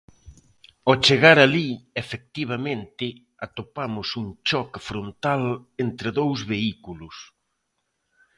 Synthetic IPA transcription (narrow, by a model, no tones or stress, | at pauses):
ɔt͡ʃeɣaɾaliefek̚t̪iβ̞amẽnt̪ɪ | at̪opamʊsuŋt͡ʃɔkfɾont̪alent̪ɾɪðowzβeikulʊs